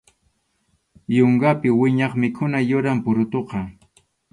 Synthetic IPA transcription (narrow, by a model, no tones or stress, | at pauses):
joɴɢɑpɪwɪɲɑχmɪkʰʊnajʊɾampʊɾʊt̪oqɑ